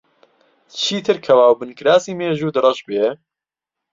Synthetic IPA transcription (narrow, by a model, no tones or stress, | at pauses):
t͡ʃʰiːt̪ʰɨɾkʰɐwaːwbɨnkʰɨɾaːsiːmeːʒuːd̪ɨɾɐʃbeː